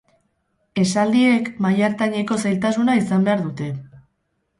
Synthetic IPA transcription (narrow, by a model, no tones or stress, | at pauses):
e̞sald̪ie̞kmajaɾt̪aɲe̞ko̞sajlt̪asunaisambe̞aɾðut̪e̞